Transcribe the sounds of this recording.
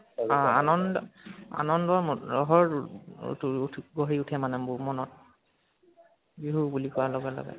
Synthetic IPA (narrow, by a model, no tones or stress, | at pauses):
ãanɔndɔa̰nɔndɔamɹɔɦɔɹṵtʰɡoɹiutʰɛmanɛbʊmɔnɔt̚ | biɦubulikɔalɔɡalɔ̰ɡɛ̰